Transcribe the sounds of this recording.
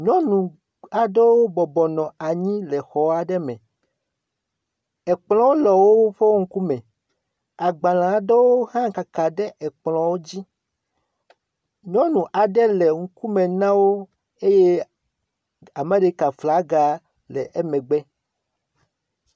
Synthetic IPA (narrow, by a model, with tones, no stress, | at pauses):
ɲɔ̃˦nũ˨ | a˨ɖe˦wo˦bɔ˨bɔ˨nɔ̃˨a˨ɲĩ˦lɛ˨xɔ˨˦a˦ɖɛ˦mɛ̃˨ | ɛ˨k͡pl̃ɔ̃˦wo˦lɔ˨wo˦ɸe˦wo˦ŋ̩˦ku˦mɛ̃˨ | a˨ɡ͡ba˨lã˨ɖe˦wo˦ɦã˦ka˨ka˨ɖɛ˦ʔɛ˨k͡plɔ̃˨wo˦d͡ʑi˦ | ɲɔ̃˦nũ˨ʔa˨ɖɛ˦lɛ˨ŋ̩˦ku˦mẽ˨nã˦wo˦ | e˦je˦ | a˨mẽ˦ɖe˦ka˨fla˦ɡa˨ | lɛ˨ʔɛ˦mɛ̃˨ɡ͡bɛ˦